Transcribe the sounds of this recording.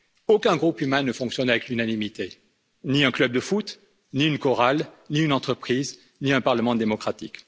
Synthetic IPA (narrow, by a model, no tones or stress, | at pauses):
okɛ̃ɡʁupymɛ̃nəfɔ̃ksjɔnavɛklynanimit̪e | niɛ̃klœb̚d̪əfut̪ | niynkɔʁalniynɑ̃t̪χəpχiz | niɛ̃paʁləmɑ̃d̪emɔkχat̪ik